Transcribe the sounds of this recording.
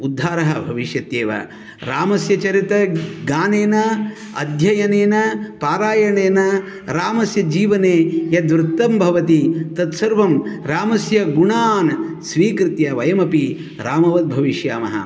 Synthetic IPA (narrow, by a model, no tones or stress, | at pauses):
ud̪ʱːaːɾɐɦɐbʱɐʋiʃjɐt̪jeːʋɐ̰ | ɾaːmɐsjɐt͡ʃɐɾit̪ɐɡaːneːnɐ | ɐ̰d̪ʱjɐjɐneːnɐpaːɾaːjɐɳeːnɐ | ɾaːmɐsjɐd͡ʒiːʋɐneːjɐd̪ʋɾɪt̪ːɐmbʱɐʋɐt̪it̪ɐt̪sɐɾʋɐmɾaːmɐsjɐɡuɳaːnsʋiːkɾɪt̪jɐʋɐjɐmɐpi | ɾaːmɐʋɐd̪̚bʱɐʋiʃjaːmɐ̰ɦɐ̰